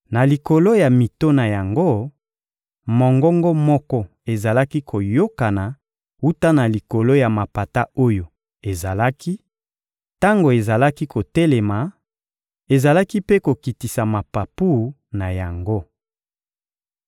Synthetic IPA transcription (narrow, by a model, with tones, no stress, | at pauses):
na˨li˨ko˨lo˦ja˨mi˨to˦na˨ja˨ŋɡo˦ | mɔ˨ŋɡɔ˦ŋɡɔ˦mɔ˦kɔ˦ | e˨za˨la˦ki˦kʰo˨jo˦ka˨na˨ | u˦ta˦na˨li˨ko˨lo˦ja˨ma˨pa˨ta˦o˦jo˨ | e˨za˨la˦ki˦ | ta˦ŋɡo˨e˨za˨la˦ki˦ko˨tɛ˦le˨ma˨ | e˨za˨la˦ki˦pe˦ko˨ki˨ti˨sa˨ma˨pa˨pu˦˨˦ | na˨ja˨ŋɡo˦